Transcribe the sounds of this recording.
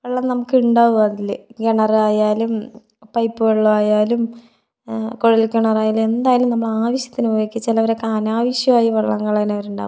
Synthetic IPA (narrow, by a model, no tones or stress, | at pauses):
ʋɐɭːɐmnɐmukːɨuɳɖaːʋuɣɐːðilːeɡeɳɐraːjaːlum | pɐjpːɨɣɐɭːɐʋaːjaːlum | ko̞ɻilkʲeɳɐraːjaːlume̞nd̪aːjɐlumnɐmːɐɭaːʋɐɕjɐt̪ːinujoːkʲːit͡ɕːɐlɐʋɐɾekːaːnaːʋɐɕjɐmaːjiʋɐɭːɐŋːɐɭɐɣinɐʋɐɾuɳɖa̰ːʋu